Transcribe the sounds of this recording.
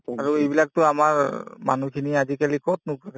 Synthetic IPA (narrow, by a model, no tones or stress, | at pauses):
aɹuejbilak̚tʊamaɹma̰nukʰiniazikalikɔt̚nũklaɡ